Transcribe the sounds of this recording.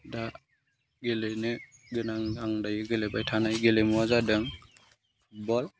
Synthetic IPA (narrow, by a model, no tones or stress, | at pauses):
da | ɡelenɯɡɯnaŋaŋdajiɡelebajtʰanajɡelemuazadɯŋ | bɔl